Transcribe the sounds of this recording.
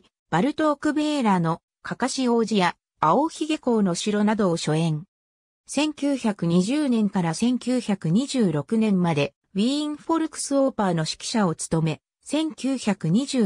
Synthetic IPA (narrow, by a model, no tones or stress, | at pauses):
b̥aɾɯ̟t̪o̞ːkɯ̟beːɾano̞ | kʰakaɕio̞ːʑijaː | oçiɡe̞ko̞ːno̞ɕiɾo̞nad̪o̞ːɕo̞ẽ̞ŋ | sẽ̞ŋkʲɨːçakɯ̟ɲ̟iʑɨːnẽ̞ŋkaɾasẽ̞ŋkʲɨːçakɯ̟ɲ̟iʑɨːɾo̞kɯ̟nẽ̞mːad̪e̞ | βʲĩŋɸo̞ɾɯ̟kɯ̟̥sɨoːpaːno̞ɕi̥kʲi̥ɕao̞t͡sɨ̥t̪o̞me̞ | sẽ̞ŋkʲɨːçakɯ̟ɲ̟iʑɨː